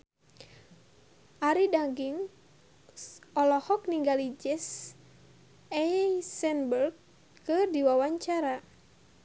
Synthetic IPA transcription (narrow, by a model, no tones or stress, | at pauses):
ʔaɾidaŋɡiŋ | ɔlɔhɔk̚niŋɡalid͡ʒɛs | ɛsɛnbərɡ̚ | kɨrdiwawaɲt͡ʃaɾa